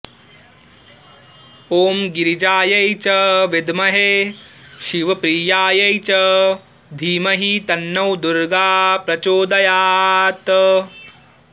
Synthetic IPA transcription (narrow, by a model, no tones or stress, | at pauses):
oːmɡiɾid͡ʒaːjɐjt͡ʃɐʋɪd̪mɐɦeːʃiʋɐpɾiːjaːjɐjt͡ʃɐ | d̪ʱiːmɐɦit̪ɐnːɐwd̪uɾɡaːpɾɐt͡ʃoːd̪ɐjaːt̪